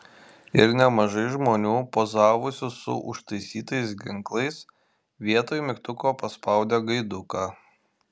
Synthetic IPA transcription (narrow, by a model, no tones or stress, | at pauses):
ɪɾnʲɛmɐʒɐɪʒmoːnʲuːpoːzɑːʋʊsʲʊsʊ̰ʔʊ̰ʃt̪ɐɪsʲiːt̪ɐɪsɡʲɪŋklˠɐɪs | ʋʲiɛt̪oːjmʲɪkt̪ʊkoːpɐspɐˑʊd̪ʲɛːɡɐɪd̪ʊkaː